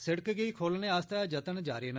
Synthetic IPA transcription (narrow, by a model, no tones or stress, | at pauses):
sɪɽəkɡəiːkʰoːlnẽːast̪aːd͡ʒət̪ənd͡ʒaːɾeːn